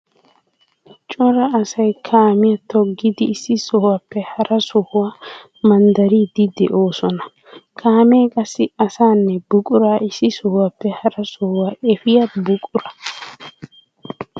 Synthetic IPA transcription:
t͡ʃʼɔɾɐːsɐjkʰaːmɪjɐt̪ʰɔɡːɪd̪ɪːsːɪsɔwɐpːɛhɐɾɐsʊhʊwa | mɐnd̪ɐɾiːd̪ɪd̪ɛ̰ʔo̞ːsɔnɐ | kʰaːmeːkʼɐsːɪɐsaːnːɛbʊkʼʊɾaːʔɪsːɪsɔhwɐpːɛhɐɾɐsʊhʊwaɛfɪjɐbʊkʼʊɾɐ̥

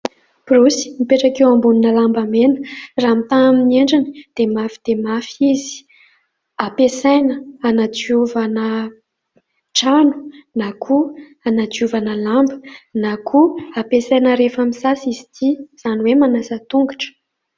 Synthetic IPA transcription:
b̥rusi̥mipeʈ͡ʂakewambuninəlambamenə̥ramit̪aamineɳɖ͡ʐanəd̪̥emafid̪̥emafizi̥ | apesajnəanad͡ʒiuvanə | ʈ͡ʂanu̥nakʰu | anad͡ʒuvanəlambə̥nakʰuapesajnəɾefamisasizit̪ʰiz̥aniwemanasət̪uŋɡaʈ͡ʂə̥

